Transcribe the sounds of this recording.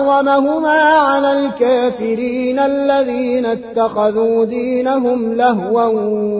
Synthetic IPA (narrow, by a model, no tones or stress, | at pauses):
ɑmaɦʊmaːʕalaːlkaːfɪɾiːnʔaalːaðiːnat̪ːɑxɑðuːd̪iːnaɦʊmlaɦwa